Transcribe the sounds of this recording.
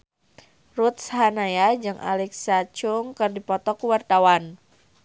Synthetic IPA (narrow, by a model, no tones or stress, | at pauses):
rut̪̚shanajad͡ʒɨŋʔa̰lɛksat͡ʃʊŋkɨrdipɔt̪ɔkuwart̪awan